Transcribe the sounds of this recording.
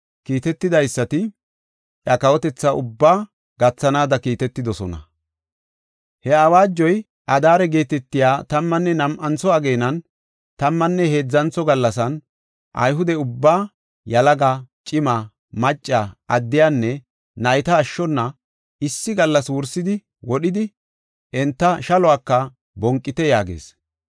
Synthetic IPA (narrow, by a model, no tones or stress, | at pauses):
kiːt̪ɛt̪ːɪd̪ɐjsːɐt̪ɪ | ʔɐkɐwɔt̪ɛt͡sːɐʔʊbːaː | ɡɐt͡sːɐnaːd̪ɐkiːt̪ɛt̪ːɪd̪ɔsɔnɐ̰ | hɛɐwaːd͡ʒːɔj | ʔɐd̪aːɾɛɡe̞ːt̪ɛt̪ːɪjaːt̪ɐmːɐnːɛnɐmʔɐnt͡sɔɐɡe̞ːnɐn | t̪ɐmːɐnːɛhe̞ːd͡zːɐnt͡sːɔɡɐlːɐsɐn | ʔɐ̰jɦʊd̪ɛʊbːaː | jɐlɐɡɐt͡ʃʼɪmɐ | mɐt͡ʃʼːaɐd̪ːɪjanːɛ | nɐjt̪ɐːʃːɔnːɐ | ɪsːɪɡɐlːɐswʊɾsɪd̪ɪ | wɔɗɪd̪ɪ | ɛnt̪ːɐʃɐlɔaːkːɐ | bɔŋkʼːɪt̪ɛjaːɡḛːs